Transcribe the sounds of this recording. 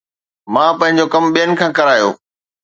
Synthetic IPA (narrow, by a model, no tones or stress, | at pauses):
mãːpɐ̃ɦɪ̃ɲ̆d͡ʑokɐmɓijənɪ̆kʰãːkɐɾaːjo̰ː